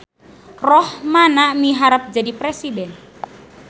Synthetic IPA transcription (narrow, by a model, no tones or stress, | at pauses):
rɔhmanamiɦaɾap̚d͡ʒadipɾɛsidɛn